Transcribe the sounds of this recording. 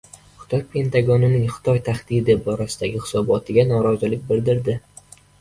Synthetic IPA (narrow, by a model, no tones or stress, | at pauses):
χʊ̥t̪ʰɒjpʰe̞nt̪ʰaɡɒnɪnɪŋχɪ̥t̪ʰɒjt̪ʰaχd̪̥id̪ɪbɒɾasɪd̪aɡʲɪχɪ̥sɒbɒt̪ʰɪɡʲanɒɾɒzɪlɪk̚ʲbɪld̪ɪɾd̪ɪ